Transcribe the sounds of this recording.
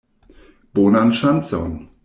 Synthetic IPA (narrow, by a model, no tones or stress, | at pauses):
b̥oːnanʃansɔ̰n